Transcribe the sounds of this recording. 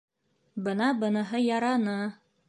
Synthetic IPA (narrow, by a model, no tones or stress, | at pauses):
bɤnɑbɤ̆nɤɦɤjɑɾɑnɤ